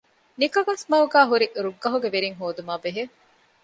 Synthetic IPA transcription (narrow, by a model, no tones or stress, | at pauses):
nikɐʋɐsmɐuɡæːɦuɾiʔɾuɡːɐɦuɡeʋeɾiŋɦoːd̪umaːbeɦe